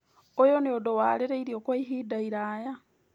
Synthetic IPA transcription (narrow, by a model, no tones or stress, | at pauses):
ojoneodowaːleɾeiɾiokwaiɦiːdaiɾaːja